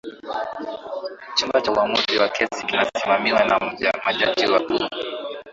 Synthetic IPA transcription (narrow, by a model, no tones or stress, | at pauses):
t͡ʃumbat͡ʃauwamuziwakʰɛsikinasimamiwanam̩ʄamaʄad͡ʒiwaku